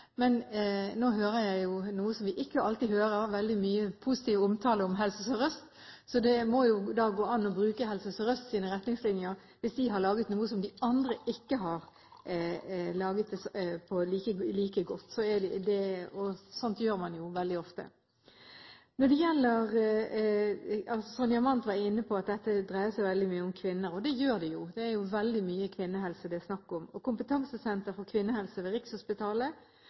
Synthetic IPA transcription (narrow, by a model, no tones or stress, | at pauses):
mɛnnoːɦøːɾəɾjæɪjʊnuːəsɔmʋɪʔɪkːəɑlt̪iɦøːɾəɾʋɛld̪ɪmyːəpʰusɪt̪iːʋɔmt̪ʰɑːləɔmɦɛlsəsɔɾœst̪ | sɔd̪ɛmɔjʊd̪ɑːɡoːɑnːɔbɾʉːkəɦɛlsəsɔɾœst̪siːnəʁɛt̪nɪŋslɪnjəɾ | ʋɪsd̪ɪɦɑɾɭɑːɡət̪nuːəsɔmd̪ɪɑnd̪ɾəʔɪkːəɦɑɾ | lɑːɡət̪̚d̪ɛspʰɔliːkəliːkəɡɔt̪ːsɔɛɖɛd̪ɛɔsɔnt̪jøːɾmɑnjʊʋɛld̪ɪɔft̪ə̰ | nɔd̪ɛjɛlːəʁ | ɑlsɔsɔnjɑmɑnt̪ʋɑɾɪnːəpʰɔɑt̪̚d̪ɛt̪ːəd̪ʁæɪəsɛɪʋɛld̪ɪmyːəʊmkʰʋɪnːəɾɔd̪ɛjøːɾd̪ɛjʊd̪ɛæɾjʊʋɛld̪ɪmyːəkʰʋɪnːəɦɛlsəd̪ɛsnɑkːɔmɔkʊmpət̪ʰɑŋsəsɛnt̪əɾfɔkʰʋɪnːəhɛlsəʋɛɾɪkshʊspɪt̪ʰɑːlə